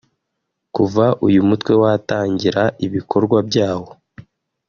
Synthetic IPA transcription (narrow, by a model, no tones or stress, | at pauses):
kuvaʔujumutwe̞wataːɲɟiɾaʔiβikʰo̞ɾɡwabɟaːho̞